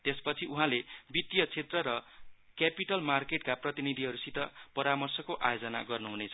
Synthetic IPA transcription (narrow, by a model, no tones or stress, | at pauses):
t̪espʌt͡sʰiʔuɦãlebit̪jʌt͡sʰet̪rʌɾʌ | kjapiʈʌlmarkeʈkaprʌt̪inid̪ʱiɦʌɾusit̪ʌpʌɾamʌrsʌkoʔa̰jod͡zʌna̰ɡʌrnuɦunet͡sʰʌ